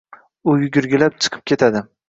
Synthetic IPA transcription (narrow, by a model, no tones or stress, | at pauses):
ʊjʊɡʲʊɾɡʲɪlap̚t͡ʃʰɨ̥qʰɨ̥p̚kʰʲe̞t̪ʰad̪ɪ